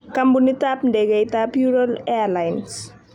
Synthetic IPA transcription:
kambunitap̚ndɛɡɛjtapjuɾɔlɛlajns

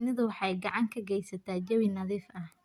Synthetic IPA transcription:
nɪðʊwɑħɑjɡɑʕɑŋkʰɐɡɛjsɐt̪ʰaːd͡ʒɐwɪnɐðiːfɐh

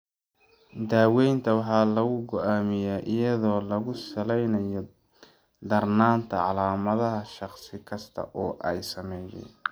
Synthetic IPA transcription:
d̪aːwɛjnt̪ʰɐwɑħɑːlɐɣʊɡɔʔaːmɪjaːʔɪjɐðɔːlɐɣʊsɐlɛjnɐjɔ | d̪ɐrnaːnt̪ʰɐʕɑlaːmɐðɐɦɐʃɑχsɪkʰɐst̪ʰɐ̰ʔɔːʔɛjsɐmɛːjɛ̰j

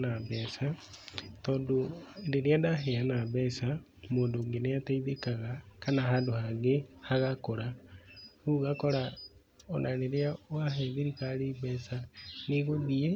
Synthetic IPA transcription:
naβesatoːndondeɾjadaɦeanaβesa | moːndoːŋɡenejataiðekaɣakanaɦandohaɣehaɣakoɾa | huɣakoɾa | onaneɾiawaɦeðiɾikaɾiβesaniɣoðie

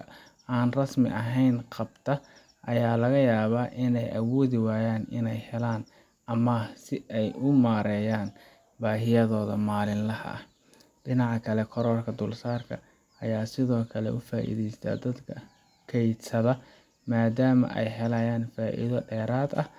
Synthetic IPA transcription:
aːnrɐsmɪ̰ʔɐɦɛjnqɑbt̪ʰɐ | ʔɐjaːlɐɣɐjaːβaːʔɪnɛjʔɐwɔːðɪwaːjaːnɪ̰nɛjhɛlaːn | ʔɐmɐsɪʔɛjʔʊmaːɾɛːjaːn | baːɦɪjɐðɔːðɐmaːlɪnlɐhɐ̰ | ɖɪnɑʕɑkʰɐlɛkʰɔɾɔːrkʰɐd̪ʊlsaːrkʰɐ̰ | ʔɐjaːsɪðɔːkʰɐlɛ̰ʔʊfaːʔḭðɛjst̪ʰa̰ːd̪ɐd̪kʰɐ | kʰɛjd̪sɐðɐ | maːd̪aːmɐ̰ʔɛ̰jɦɛlɐjaːnfaːʔḭðɐɖɛːɾaːd̪ɐ

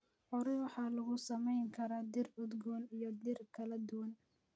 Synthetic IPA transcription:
ʕʊɾɪwɑħɑːlɐɣʊsɐmɛjŋkʰɐɾaːd̪ɪrʊd̪ɡɔːnijɔd̪ɪrkʰɐlɐd̪ʊwɐn

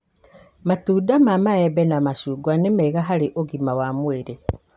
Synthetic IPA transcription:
matuːdamamaɛβɛnamasuːɡwanemɛiɣaɦaɾeʔoɣimawamweɾe

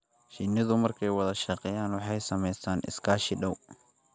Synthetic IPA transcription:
ʃɪnːɪðʊmɐrkʰɛjwɑðɐʃɑqɛjaːnwɑħɑjsɐmɛjsʰaːnʔɪ̰skʰaːʃɪɖɐw

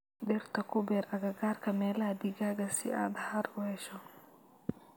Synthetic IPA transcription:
d̪ɛrt̪ʰɐkʰʊbɛːɾɐɣɐɡaːrkʰɐmɛːlɐd̪ɪɣaːɣɐsɪʔa̰ːd̪haɾʊhɛʃɔ

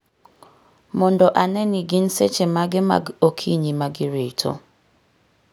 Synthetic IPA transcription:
mʊndɔʔanenɪɡɪn̩set͡ʃemaɡɪma̰okʰiɲimaɡɪɾetʰo̰

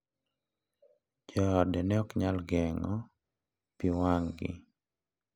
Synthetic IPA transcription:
d͡ʒɔdɛnɛɔkɲalɡɛŋɔ | piwaŋɡɪ̰

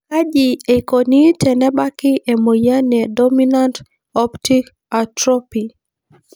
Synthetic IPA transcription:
ad͡ʒiekonitʰɛnɛbakiʔemojanɛdɔminant | ɔptik | atɾɔpi

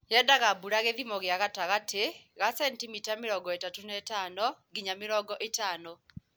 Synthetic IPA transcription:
jɛdaɣabuɾaɣeðimɔɣjaɣataɣatʰeɣasɛntimitameɾɔːɡɔetatunɛtaːnɔɡiɲamɪɾɔːɡɔʔetaːnɔ

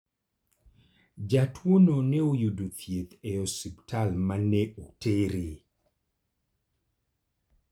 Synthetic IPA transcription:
d͡ʒatʰwononɛojudot̪ʰjet̪ɛosiptʰalmanɛotʰeɾi

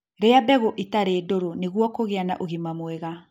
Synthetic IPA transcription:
ɾeabɛɣoʔitaɾeːdoɾoneɣwɔkoɣeana̰ʔoɣimamwɛɣa

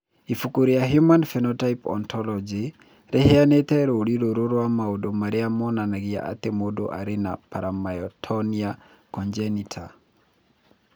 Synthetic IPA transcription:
ifukuɾijaɦjumanfɛnɔtaipɔ̰ntɔlɔd͡ʒi | ɾeheanet̪ɛɾoɾiɾoɾoɾowamaodomaɾeamɔnanaɣia̰ʔa̰t̪emodo̰ʔa̰ɾena̰paɾamaɔtʰɔnia | kɔnd͡ʒɛnitʰa

